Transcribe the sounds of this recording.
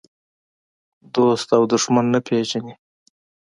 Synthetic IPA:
d̪ost̪awd̪ʊʂmanːapʰed͡ʒani

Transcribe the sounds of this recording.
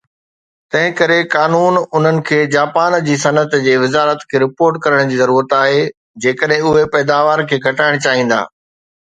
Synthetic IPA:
t̪ɐ̃ɦɪ̃kɐɾekaːnuːnʊn̤ənɪ̆kʰeːd͡ʑaːpaːnd͡ʑiːsɐnət̪d͡ʑeːʋɪzaːɾət̪kʰeːɾɪpoːɾʈkɐɾəɽ̃d͡ʑiːzɐɾuːɾət̪aːɦe | d͡ʑeːkəɗɦɪ̃ʊɦepɛːd̪aːʋaːɾkʰeːɡʱɐʈaːɪɽ̃t͡ɕaːɦĩːn̆d̪a̰ː

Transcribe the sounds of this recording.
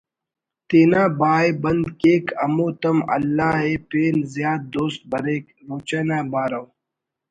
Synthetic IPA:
t̪eːnaːbaːjbɐnd̪keːkʰɐ̰moːt̪ɐmɐ̰lːaːɦeːpeːnzjaːd̪̚d̪oːst̪̚bɐɾeːk | ɾoːt͡ɕanaːbaːɾɐw

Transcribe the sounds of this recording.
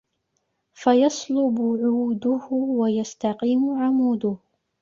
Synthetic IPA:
fajɑsˤlʊbʊʕuːd̪ʊhʊwajast̪aqiːmʊʕamuːd̪ʊh

